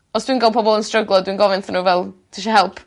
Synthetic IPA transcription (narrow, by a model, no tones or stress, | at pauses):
ɔsd̥wiːnɡalˠpʰɔbɔlˠənstrəɡlˠɔdwinɡɔvɪnθnuvɛlˠtʰeʃɔɦɛlˠpʰ